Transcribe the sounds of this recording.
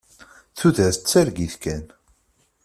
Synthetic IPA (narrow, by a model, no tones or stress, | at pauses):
θuðæθət͡sːæɾɡiθkæn